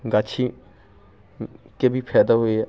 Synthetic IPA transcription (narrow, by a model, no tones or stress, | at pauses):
ɡat͡ʃʰi | kebʱipʰɛːd̪aɦoeɛ